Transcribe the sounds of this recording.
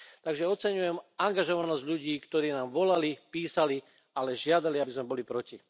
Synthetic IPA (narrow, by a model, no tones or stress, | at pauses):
t̪aɡʒɛɔt͡sɛɲujɛmaŋɡaʒɔʋanɔzɟʎuɟiːkt̪ɔɾiːnaːmʋɔlalipiːsali | alɛʒɪad̪aliabizmɛbɔlipɾɔci